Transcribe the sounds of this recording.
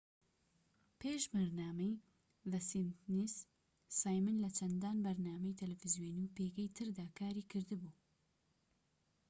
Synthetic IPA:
pʰeːʃmɐɾnaːmɐj | vɐsint̪nis | saːjmɨnlɐt͡ʃʰɐnd̪aːnbɐɾnaːmɐjt̪ʰɐlɐfɨzjoːniwpeːɡɛjt̪ʰɨɾd̪aːkʰaːɾiːkʰɨɾd̪ɨbuː

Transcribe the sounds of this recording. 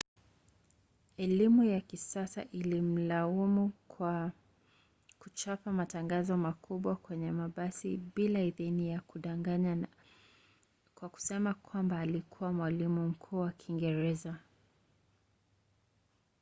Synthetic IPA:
ɛlimujakisasa̰ʔilim̩laumua | kut͡ʃapamataŋɡazɔmakʰuɓwakwɛɲɛmaɓasiɓilaiðinijakuɗaŋɡaa | kwaku̥sɛmakwambaːlikʰuwamwalimum̩kʰuːwakʰiŋɡɛɾɛza

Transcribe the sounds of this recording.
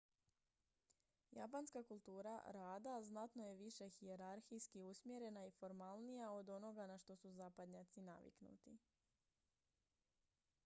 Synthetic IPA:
ja̰panskakulˠt̪uːɾa̰ɾaːd̪aznat̪no̞je̞ʋiʃe̞xie̞ɾaɾxijskiusmje̞ɾe̞naifo̞ɾmalˠnijao̞d̪o̞no̞ɡanaʃt̪o̞suzapad̪ɲat̪sina̰ʋḭknṵt̪i

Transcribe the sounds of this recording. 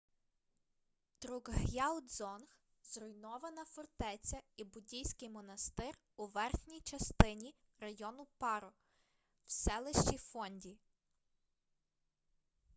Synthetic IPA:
t̪ɾuɡɦjɑlˠd̪zɔnx | zrʊjnɔʋɐnɐfɔrt̪ɛt͡sʲɐibʊdʲijsʲkɪjmɔnɐst̪ɪr | uʋɛrxnʲijt͡ʃɐst̪ɪnʲi | rɐjɔnʊpɑɾɔ | wsɛlˠɪʃt͡ʃifɔnʲdʲi

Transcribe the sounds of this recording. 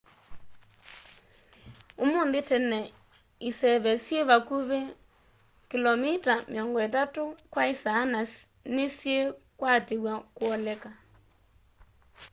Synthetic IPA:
omondetɛnɛ | isɛβɛsjeβakuβe | kilɔmitameɔŋɡɔetatokwaisaːna | nesjekwateɣwakwɔlɛka

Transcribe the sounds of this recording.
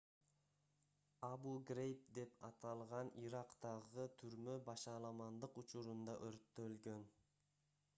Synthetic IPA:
ɑbuɡrʲejp̚d̪e̞pɑt̪ɑlˠʁɑniɾɑqt̪ɑʁɯt̪ʰyɾmøbɑʃɑlˠɑmɑnd̪ɯqut͡ʃuɾund̪ɑʔøɾt̪ːølɡøn

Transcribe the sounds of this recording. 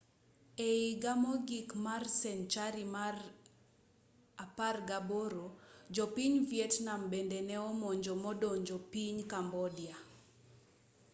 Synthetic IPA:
eiɡamɔɡikmarsɛnt͡ʃaɾimar | aparɡaboɾod͡ʒɔpiɲvjetnambendenɛɔmɔɲd͡ʒomɔdoɲd͡ʒopiɲkambɔdja

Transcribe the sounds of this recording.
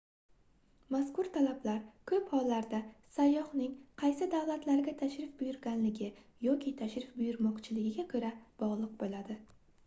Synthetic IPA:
maskʊɾt̪ʰalablaɾkʰɵphɒlˠːaɾd̪asajːɒhnɪŋqʰɑjsɪd̪awlat̪ʰlaɾɡʲat̪ʰaʃɾɪfbʊjʊɾɡʲanlɪɡʲɪ | jɒkʲʰit̪ʰaʃɾɪfbʊjʊɾmɒqt͡ʃʰɪlɪɡʲɪɡʲakʰɵɾab̥ɒʁlˠɨq̚bolad̪ɪ

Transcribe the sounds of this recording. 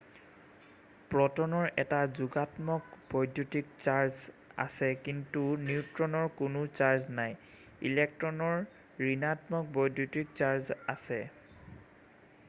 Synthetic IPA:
pɹɔtɔnɔɹɛtazuɡatmɔkb̥ɔjdʱjutikt͡ɕaɹz | a̰sɛkintuniʊtɹɔnɔɹkʊnʊt͡ʃaɹznaj | ḭlek̚tɹɔnɔɹ | ɹinatmɔk̚bɔjdʱjutik̚t͡ʃaɹzasɛ

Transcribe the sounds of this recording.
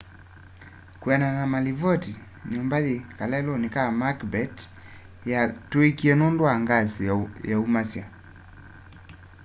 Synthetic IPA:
kwananamalivɔti | niɔmbaðikalɛlɔnikamakbɛt | jatuekiɛnɔndwaŋɡasijaumasja

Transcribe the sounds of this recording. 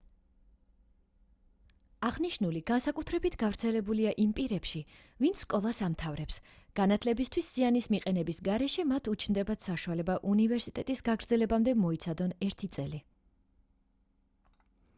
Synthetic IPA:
aʁniʃnuliɡ̥ansakʼut̪ʰɾɛbit̪ʰɡavɾt̪sʰɛlɛbuliaʔimpʼiɾɛpʃi | vint̪sskʼɔlˠasamt̪ʰavɾɛpsɡ̥anat̪ʰlɛbist̪ʰwisz̥ianismiqʼɛnɛbisɡaɾɛʃɛmat̪ʰut͡ʃʰnd̪ɛbat̪saʃualɛbaʔunivɛɾsit̪ʼɛt̪ʼisɡaɡɾd̪zɛlɛbamd̪ɛmɔit̪sʰad̪ɔnɛɾt̪ʰit̪sʼɛli

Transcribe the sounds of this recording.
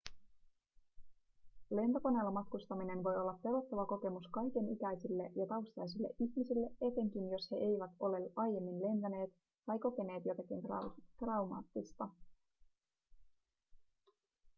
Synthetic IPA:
le̞nt̪oko̞ne̞ːlːɑmɑt̪kust̪ɑmine̞nʋo̞jo̞lːɑpːe̞ɾo̞t̪ːoʋɑko̞ke̞muskɑjke̞nikæjsilːe̞jɑt̪ɑwst̪ɑjs̬ilːe̞ʔiçmisilːe̞e̞t̪e̞ŋk̟injo̞she̞ʔe̞jʋæt̪o̞le̞ʔɑjje̞mːinle̞nt̪æne̞ːt̪ | t̪ɑjko̞ke̞ne̞ːt̪jo̞t̪ɑkint̪t̪rɑwmɑ̰ːt̪ːist̪ɑ

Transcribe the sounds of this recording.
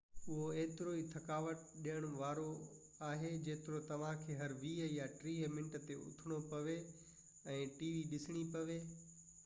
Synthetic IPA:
ʊɦoeːt̪ɪɾoit̪ʰɐkaːʋət̪̚ɗijəɽ̃ʋaːɾo | aːɦed͡ʑeːt̪ɪɾot̪ɐʋ̤ãkʰeːɦɐɾʋiːjaʈɾiːmɪ̃nʈət̪eʊ̰t̪ʰɪɽ̃opɐʋe | ɛ̃ːʈiːʋiɗɪsɪɽ̃ipɐʋeː

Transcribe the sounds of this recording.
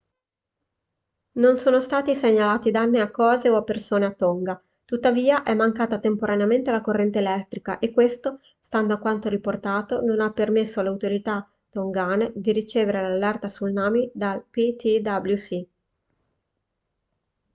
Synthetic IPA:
nonsoːnost̪aːt̪iseɲːalaːt̪id̪anːeakːɔːzeoapːersoːneat̪ːoŋɡa | t̪ut̪ːaviːaʔɛmːaŋkaːt̪at̪empoɾaneament̪elakorːɛnt̪eːlɛt̪ːɾika̰ʔekːwest̪o | st̪and̪oakwant̪oɾiport̪aːt̪ononapːermesːoalawt̪oɾit̪a | t̪oŋɡaːned̪iɾit͡ʃeːveɾelalːɛrt̪asulnaːmid̪alpit̪id̪ablusi

